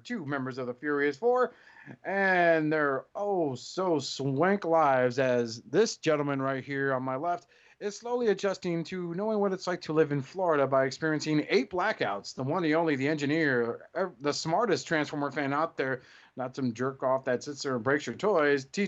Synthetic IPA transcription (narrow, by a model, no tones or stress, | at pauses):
tʰʉmɛ̃mbə˞zʌvðəfjʊɹiɨz̥fɔɹɨ̃nðə˞ʔoʊlˠsoʊswæ̃ŋklaɪvzɨzðɪsd̥ʒ̥ɛ̃ɾ̃l̩ˠmɨ̃nɹaɪt̚hiɹə̃nmaɪlɛft | ɨz̥sloʊlˠiɨd͡ʒʌstɪ̃ŋtʰɨnoʊɪ̃ŋwʌɾɨtslaɪk̚tʰəlɪvɨ̃nflɔɹɨɾəbaɪɨkspɪɹiɨ̃nsɪ̃ŋeɪt̚b̥lækaʊtsðəwʌ̃niõʊ̃nliðiɛ̃nd͡ʒɨnɪɹɛðəsmɑɹɾɨstʰɹ̥æ̃nsfɔɹmə˞fæ̃naʊt̪̚ðə˞ | nətsʌ̃md͡ʒɜ˞kɔfðɨtsɪtsə˞ə̃nbɹeɪksjə˞tʰɔɪz̥tʰi